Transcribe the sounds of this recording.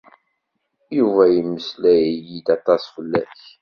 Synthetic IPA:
juvæjəmːəslæjjid̪ɑt̪ˤɑsfəlːæç

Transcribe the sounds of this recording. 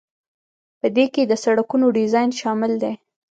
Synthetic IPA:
pəd̪eked̪əsaɽakunoɖizɑjnʃɑmɪld̪e

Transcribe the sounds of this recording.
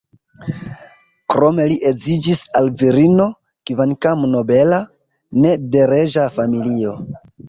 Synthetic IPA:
kɾo̞me̞liʔezid͡ʒisalviɾino̞ | kivankamno̞be̞la | ne̞de̞ɾe̞ʒafamilio̞

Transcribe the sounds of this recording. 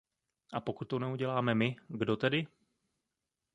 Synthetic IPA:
ʔapo̞kut̪ːonɛuɟɛlaːmɛmɪɡdo̞t̪ɛdɪ

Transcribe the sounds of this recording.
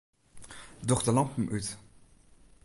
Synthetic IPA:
dɔχtəlɑmpəm̩ʔyt

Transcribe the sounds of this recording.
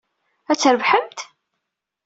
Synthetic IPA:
æt͡sːəɾəvħəmt̪

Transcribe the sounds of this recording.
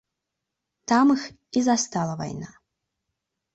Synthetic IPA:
t̪amɨx | izast̪alˠɐva̰jna

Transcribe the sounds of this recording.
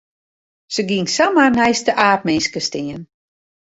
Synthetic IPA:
səɡiŋsamarnɛjstəʔaːt̚mɪnskəstɪən

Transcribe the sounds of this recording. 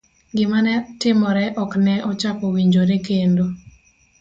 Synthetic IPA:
ɡɪmanɛtɪmɔɾɛʔɔknɛʔɔt͡ʃakɔwiɲd͡ʒoɾekendo

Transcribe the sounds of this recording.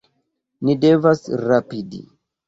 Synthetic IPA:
nidevasɾapidḭ

